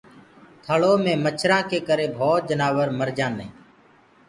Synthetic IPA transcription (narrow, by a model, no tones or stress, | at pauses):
t̪ʰəɭoːmẽːmət͡ʃʰɾãːkeːkəɾeːbʱoːt̪̚d͡ʒənaːʋəɾməɾd͡ʒãːnḛ̃ː